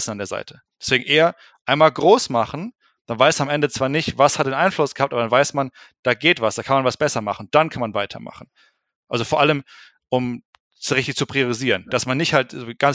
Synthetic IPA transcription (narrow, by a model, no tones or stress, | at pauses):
sn̩andeɐza̰ɪtʰə̥ | d̥ɛsv̥eːɡŋ̩ʔeːɐ | ʔaɪnmaːlɡʁoːsmaχn̩ | d̥anvaɪsamʔɛndət͡sv̥aːɐnɪçtv̥ashat̚d̥eːnʔaɪnflʊsɡ̥əhaptʔabɐdanvaɪsmand̥aːɡeːtv̥asd̥aːkʰanmanvasb̥ɛsɐmaχn̩ʊd̥ankʰanmanvaɪtʰɐ̰ma̰χn̩ | ʔalzofoːɐʔaləm | ʔʊm | sʁɪçtɪçt͡supʁ̥ioʁiziːʁənd̥asmanːɪçthaltzoɡ̥an